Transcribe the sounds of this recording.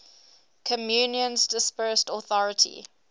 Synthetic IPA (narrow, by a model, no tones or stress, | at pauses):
kʰəmjuːnjə̃nzdɪspɜːstɔθɔɹətʰḭ